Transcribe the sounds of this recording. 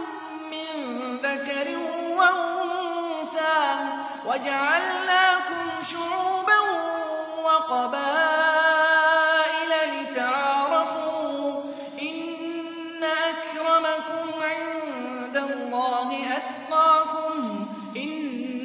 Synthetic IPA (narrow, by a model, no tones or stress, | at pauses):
ɪnðakaɾɪnwaʔʊʊsaː | wad͡ʒaʕalnaːkʊmʃʊʕuːban | wɑqɑbaː | ʔɪlalɪt̪aʕɑːɾˤɑfuː | ʔɪnː | aʔakɾˤɑmakʊmʕɪn | d̪alːɑːɦɪʔat̪t̪ˤɑːkʊm | ʔɪn